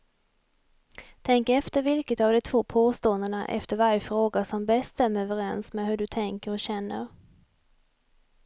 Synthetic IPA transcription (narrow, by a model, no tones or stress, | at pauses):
t̪ʰɛŋkɛft̪əɾvɪlkət̪avd̪ɛt̪ʰv̥oːpʰoːst̪oːənd̪əɳa̰ʔɛ̰ft̪əɾvaɾjəfɾoːɡasɔmbɛsɛmːəɾœːvəɾɛnsmeɦɵɖɵt̪ʰɛŋkəɾɔɕɛnːə̰ɾ